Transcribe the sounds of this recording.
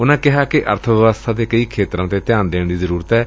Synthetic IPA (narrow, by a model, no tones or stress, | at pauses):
ʊnãːkɪɦaːkɪʔə̰ɾt̪ʰəʋəʋəst̪ʰaːd̪eːkəiːkʰeːt̪ɾãːt̪eːt̪ɪjaːnd̪eːɳd̪iːzəɾuːɾət̪ɛː